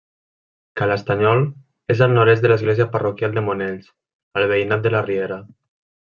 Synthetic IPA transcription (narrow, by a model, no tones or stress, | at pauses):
kalast̪aɲɔl | ezalnoɾezðələzɣlezijaparokjalˠd̪emoneʎs | əlβeinat̪̚d̪əlarieɾa